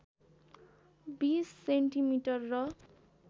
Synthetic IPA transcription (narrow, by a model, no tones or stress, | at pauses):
bisːeɳʈimiʈʌrːʌ